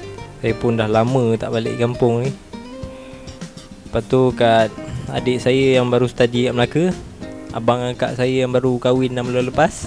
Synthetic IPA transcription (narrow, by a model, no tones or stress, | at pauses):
sajəpʊndahlamə̃t̪a̰ʔbalɪ̰ʔkampʊŋni | pat̪ukat̪̚a̰dɪʔsajəjaŋbaɾusə̥t̪adikaʔməlakə | a̰baŋaŋka̰ʔsajəjaŋbaɾukawɪnːaməloləpas